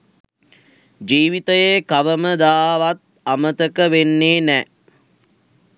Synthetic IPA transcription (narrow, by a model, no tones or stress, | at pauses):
d͡ʒiːʋit̪əjekaʋəməd̪aːʋat̪̚ | amət̪əkəʋenːeːnɛ